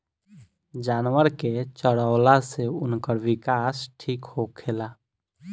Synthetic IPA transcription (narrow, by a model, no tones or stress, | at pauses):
d͡ʒaːnwəɾket͡ʃəɽəʊlaseʊnkəɾwɪkaːsʈʰiːkhokʰeːlaː